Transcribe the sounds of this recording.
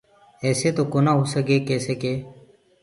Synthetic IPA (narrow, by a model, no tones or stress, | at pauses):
ɛːseːt̪oːkoːnaːɦuːsəɡeːkeːseːkeː